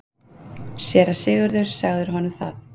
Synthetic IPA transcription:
sjɛːɾḁsɪːɣʏɾðʏɾ̥saɣðʏɾ̥ɦɔnʏmθaθ

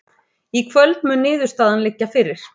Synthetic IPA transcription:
ikʰvœlt̪mʏnːɪːðʏ̥st̪aːðanlɪcːafɪɾɪɾ̥

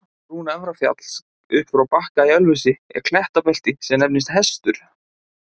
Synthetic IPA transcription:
ruːnaɛvɾafja̰t̪l̥s | ʏhpfɾawpahkaiœlvʏsɪɛ̰kʰl̥ɛht̪apɛl̥t̪ɪsɛmnɛpnɪst̪hɛst̪ʏɾ̥

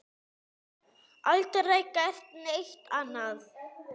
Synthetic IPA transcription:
alt̪rejkajr̥t̪nejht̪an̥að

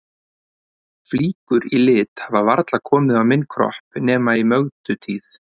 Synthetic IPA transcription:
fliːkʏɾilɪːt̪havavaɾt̪lakʰɔːmɪðavmɪnːkʰɾɔ̰hpnɛːmaimœɣt̪ʏt̪ʰiːθ

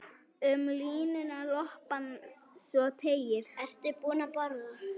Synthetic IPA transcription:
ʏmliːnʏnalɔhpan | sɔt̪ʰeːjɪɾ̥ɛst̪ɪpuːnapɔɾɣʏ

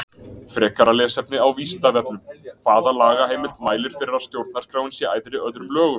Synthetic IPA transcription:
fɾɛːkaɾalɛːsɛp̚nɪawviːsɪnt̪avɛp̚nʏmkʰv̥aːðalaːɣaɦejmɪlt̪maːjlɪɾ̥fɪɾɪɾast̪jowɾt̪̚naɾ̥kɾawɪnsjɛaːjðɾɪœðɾʏmlœːɣʏ

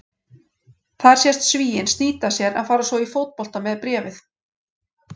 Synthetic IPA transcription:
θaðɾ̥sjɛst̪sviːjɪnst̪niːt̪asjɛɾa̰ðfaːɾasvɔifowt̪̚pɔl̥t̪amɛðpɾɛːvɪθ

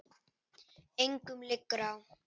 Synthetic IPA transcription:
eŋkumlekːɾaw

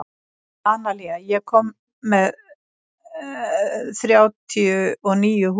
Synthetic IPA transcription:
aːnaliɣajɛɣkʰɔmː | ɛð | θɾjaːwt̪ʰiʏɔɣniːjʏɦ

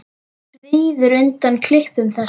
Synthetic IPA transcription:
veːðʏɾʏnt̪ankʰlɪhpʏmθɛ

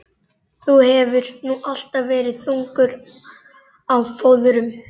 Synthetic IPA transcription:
θuhɛvʏɾnuʔal̥t̪avvɛːɾɪðθuŋkʏɾ | awfoːwðʏɾʏm

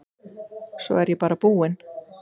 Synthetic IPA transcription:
sɔ̰ɛɾjɛpaːɾapuːɪn

